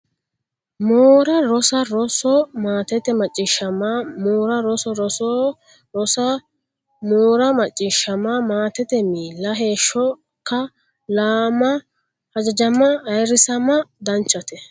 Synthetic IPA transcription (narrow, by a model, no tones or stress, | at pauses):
moːɾɐɾɔsɐɾɔsɔmaːt̪ɛt̪ɛmɐt͡ʃʼːɪʃɐmamoːɾɐɾɔsɔɾɔsɔ | ɾɔsɐ | moːɾɐmɐt͡ʃʼːɪʃɐmamaːt̪ɛt̪ɛmiːlːɐɦe̞ːʃːɔ | kːɐ | laːmɐ | hɐd͡ʒɐd͡ʒɐmːɐːjɾɪsɐmɐd̪ɐnt͡ʃːɐt̪ɛ